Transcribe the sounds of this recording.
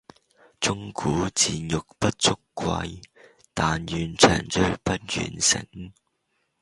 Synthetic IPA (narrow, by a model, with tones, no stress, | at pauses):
t͡sʊ˥ŋkʰuː˨˥t͡siː˨njʊ˨k̚pɐ˦˥t̚t͡sʰʊ˥kʷːwɐ̰˧j | t̪aː˨njyː˨nt͡ʃʰœ̰ː˨˩ŋt͡sɵ˥ɥpɐ˥t̚jy̰ː˨˩nsɪ̰˨˩ŋ